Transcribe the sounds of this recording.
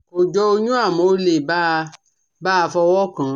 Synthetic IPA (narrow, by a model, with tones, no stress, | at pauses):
o˨d͡ʒɔ˧o˧ɲũ˦a˦˨mõ˨˦le˨ba˦˧ | ba˦˧fɔ˧wɔ˦kã˨˦